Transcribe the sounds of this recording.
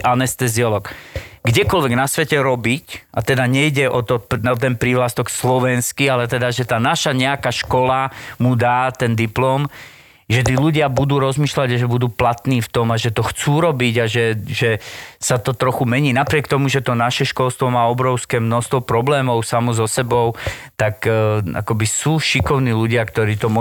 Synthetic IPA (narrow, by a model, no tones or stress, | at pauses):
ʔanɛst̪ɛziɔlɔkɡɟɛkɔlʋɛɡnasʋɛcɛɾɔbicʔat̪ɛd̪aɲɛjɟɛʔɔt̪ɔp̪t̪ɛnpɾiʋlast̪ɔkslɔʋɛnskialɛt̪ɛd̪aʒɛt̪aːnaʃaɲɛakaʃkɔlamud̪aːt̪ɛnd̪iplɔːm | ʒɛt̪̬iːluɟɪabud̪uːɾɔzmiːʃlaɟaʒɛbud̪uːplat̪niːft̪ɔmaʒɛt̪ɔxt͡suːɾɔbiɟaʒɛʒɛsat̪ɔt̪ɾɔxumɛɲiːnapɾɪɛkt̪ɔmuʒɛt̪ɔnaʃɛʃkɔlˠst̪ʋɔmaːɔbɾɔʊskɛːmnɔst̪ʋɔpɾɔblɛːmɔʊsamɔzɔsɛbɔʊt̪aka̰kɔbisuːʃikɔʊniːluɟɪakt̪ɔɾiːt̪ɔmɔ